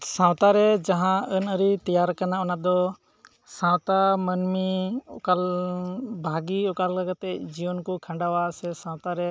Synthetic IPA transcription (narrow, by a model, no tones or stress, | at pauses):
sãwt̪aɾɛd͡ʒaɦãənəɾit̪ijaɾkanaɔnad̪ɔ | sãwt̪amənmiɔkal | bʱaɡiɔkalləɡat̪ɛd͡ʒiwənkukʰə̃ɳɖawasɛsãwt̪aɾɛ